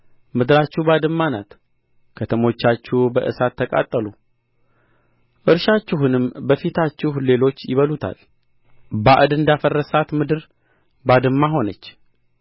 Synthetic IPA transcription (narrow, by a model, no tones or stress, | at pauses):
mɨd̪ɨɾat͡ʃːuhbad̪ɨmːanat̪ | kʰət̪ʰəmo̞t͡ʃːat͡ʃːubəʔɨ̰sat̪ʰːəkʼa̰t̪ʼːəlu | ʔɨɾʃat͡ʃːɪɦunɨmbəfit̪ʰat͡ʃːɪhle̞lo̞t͡ʃːjɪβəlut̪ʰa̰l | baʔɨd̪ɨnd̪afərːəsat̪mɨd̪ɨɾ | bad̪ɨmːaɦo̞nət͡ʃː